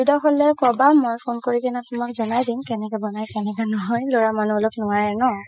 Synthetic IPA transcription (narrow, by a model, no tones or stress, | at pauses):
idɔxɔlɛkɔbamojpʰonkoɹikɛnatʊmakzɔnajdimkɛnɛkɛbɔnajkɛnɛkɔnɔɦɔjloɹamanulok̚nʊwaɹɛnɔ